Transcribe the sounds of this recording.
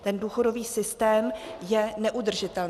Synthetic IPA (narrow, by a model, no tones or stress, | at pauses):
t̪ɛnduːxo̞do̞viːsɪst̪ɛːmjɛnɛʔudr̩ʒɪt̪ɛln